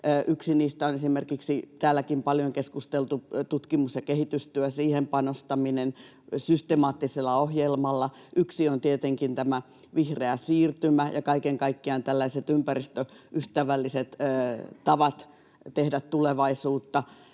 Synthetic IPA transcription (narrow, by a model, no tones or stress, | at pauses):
ʔyksiniːst̪æonesimerkiksit̪æːlːˑækimpɑljoŋkeskust̪elt̪ut̪ut̪kimusjɑkehit̪yst̪yøsiːhempɑnost̪ɑminen | syst̪emɑːt̪ːiselˑːɑohjelmɑlːɑ | ʔyksiont̪iet̪eŋkint̪æmæ | ʋihreæsiːrt̪ymæjɑkɑikeŋkɑikːiɑnt̪ælːæiset̪ympærist̪øʔyht̪æʋælːiset̪ːt̪ɑʋɑt̪ | t̪ehdæt̪t̪uleʋɑisuːt̪ːɑ